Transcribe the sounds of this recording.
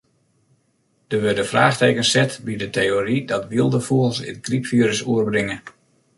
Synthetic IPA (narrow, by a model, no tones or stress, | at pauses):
d̥əʋødəfraːxteːkənsɛtbidətejoridɑtʋiəlˠdəfulˠsɪ̰tɡripfiəɾəsuərbrɪŋə